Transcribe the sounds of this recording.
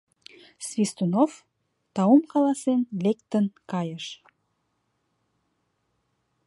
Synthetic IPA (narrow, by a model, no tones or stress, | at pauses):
svist̪unof | t̪ɑwumqɑlˠɑsenlek̚t̪ənkɑjəʃ